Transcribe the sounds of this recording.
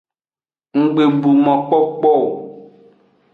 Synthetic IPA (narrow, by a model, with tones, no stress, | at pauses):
ŋ̩˨ɡ͡be˨bu˨mɔ̃˨k͡pɔ˦k͡pɔ˦˨